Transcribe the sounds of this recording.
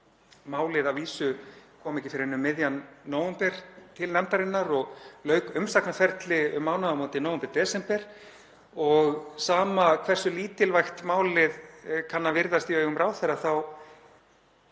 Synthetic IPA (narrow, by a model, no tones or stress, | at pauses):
maːwlɪðavviːsʏkʰɔːmɛcɪ̥fɪɾɪɾɪnːʏmːɪðjanːoːwɛmpɛɾ̥t̪ʰɪlnɛmt̪aɾɪnːaɾɔɣlœːɥkʏmsaknafɛɾt̪lɪʏmːaːwnaðamoːnt̪ɪnoːwɛmpɛɾd̪ɛːsɛmpɛɾ̥ | ɔɣsaːmakʰvɛr̥sʏliːt̪ɪlvajxt̪maːwlɪðkʰanːavɪɾðast̪iœːɣʏmɾʔaːwθɛɾːaθaw